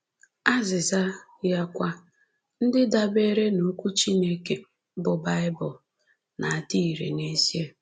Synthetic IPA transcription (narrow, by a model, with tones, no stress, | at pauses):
a˦zɪ˨za˦ | ja˦kʷa˦ | n̩˦dɪ˦da˦be˦ɾe˦no˨˦kʷu˦t͡ʃi˦ne˦ke˨˦ | bʊ˨ba˦ɪ˦bʊ˨ | na˨a˨ti˦i˨ɾḛ˨ne˦si˦e˦